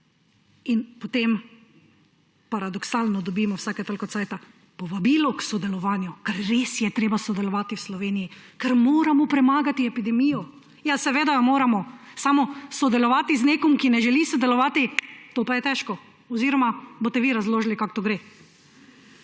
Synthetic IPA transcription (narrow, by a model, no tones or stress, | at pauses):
inpɔt̪em | paɾad̪ɔksaːlnɔd̪ɔbiːmɔwsaːkɛt̪ɔlkɔt̪sajt̪a | pɔʋabiːlɔksɔd̪ɛlɔʋaːnjukaɾːesjɛt̪ɾeːbasɔd̪ɛlɔʋaːt̪iwslɔʋeːnijikɛɾmoːɾamɔpɾɛmaːɡat̪iɛpid̪ɛmiːjɔ | jasɛʋeːd̪amoːɾamɔsamɔsɔd̪ɛlɔʋaːt̪izneːkɔmkinɛʒɛlisɔd̪ɛlɔʋaːt̪it̪oːpajɛt̪ɛʃkɔ | ɔziːɾɔmabot̪ɛʋiɾazloːʒlikakt̪oɡɾeː